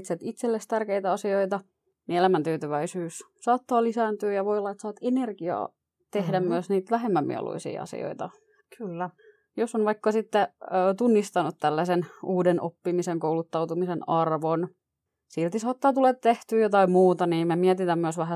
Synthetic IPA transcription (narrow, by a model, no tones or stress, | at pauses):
t̪set̪it̪selːest̪ærkeit̪æɑsioit̪ɑ | nielæmænt̪yːt̪yʋæisyːs | sɑːt̪ːɑːlisæːnt̪yːjɑʋojolːɑet̪sɑːt̪enerɡ̥iɑ̰ː | t̪ehdæmmyøsniːt̪ʋæɦemːæmmḭɛ̰lṵisḭːɑ̰sḭo̰it̪ɑ | kylː | josonʋɑikːɑsit̪ːeːt̪unːist̪ɑnut̪t̪ælːæsenuːdenʔopːimiseŋkouwlut̪ːɑwt̪umisenɑrʋon | silt̪isɑːt̪ːɑːt̪ulet̪t̪ːeht̪yːjot̪ɑimmuːt̪ɑniːmemiɛt̪it̪æmmyøsʋæɦæ